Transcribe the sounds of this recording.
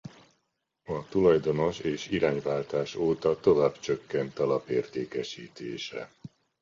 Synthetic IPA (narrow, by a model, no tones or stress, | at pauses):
ɒt̪ulɒjd̪o̞no̞ʃeːʃiɾaːɲvaːlt̪aːʃoːt̪ɒt̪o̞vaːbt͡ʃøkːɛnt̪ɒlɒpeːrt̪eːkɛʃiːt̪ʰeːʃɛ̰